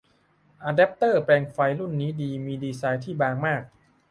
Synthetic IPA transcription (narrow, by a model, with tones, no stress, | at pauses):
ʔa˧dɛ˦˥p̚t̪ɤː˥˩pɛː˧ŋfa˧jlu˥˩nːiː˦˥diː˧miː˧diː˧saː˦˧˥jt̪ʰiː˥˩baː˧ŋmaː˥˩k̚